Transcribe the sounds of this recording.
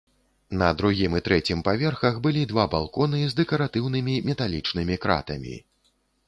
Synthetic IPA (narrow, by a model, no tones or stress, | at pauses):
nɐd̪ɾuɣʲimɨt̪ɾɛt͡sʲimpavʲɛrxɐɣbɨlʲid̪vabalˠkɔnɨzd̪ɛkɐɾat̪ɨwnɨmʲimʲɛt̪alʲit͡ʂnɨmʲikɾa̰t̪ɐmʲḭ